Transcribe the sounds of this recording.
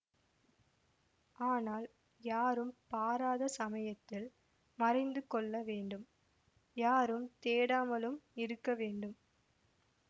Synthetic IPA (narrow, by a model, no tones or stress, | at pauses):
ʔaːnaːl | jaːɾɯmpaːɾaːðɐsɐmɐjɐt̪ːɪl | mɐrɐɪnd̪ɯkɔɭːɐʋeːɳɖɯm | jaːɾɯmt̪eːɽaːmɐlɯmɪɾɯkːɐʋeːɳɖɯm